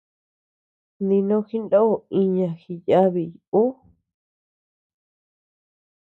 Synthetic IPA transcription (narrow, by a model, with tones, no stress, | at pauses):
nd̪ĩ˧nõ˦xi˦nd̪õ˦o˨ĩ˧ɲã˨xi˧ja˦βi˨ju˨u˦